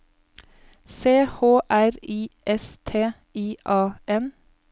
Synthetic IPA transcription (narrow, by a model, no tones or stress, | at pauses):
seːhoːʔæɾiːʔɛst̪ʰeː | iːʔɑːʔɛn